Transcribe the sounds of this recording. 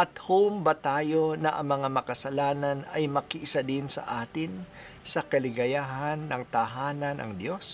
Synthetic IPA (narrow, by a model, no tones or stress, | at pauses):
ʔɐt̪howmbɐt̪aːjo̞nɐʔɐ̰ŋmɐŋamɐkɐsɐlaːnɐnɐjmɐkɪʔɪsad̪ɪnsɐ̰ʔaːt̪ɪn | sɐkɐlɪɡɐjaːɦɐnːɐŋt̪ɐɦaːnɐnʔɐ̰ŋd̪jo̞s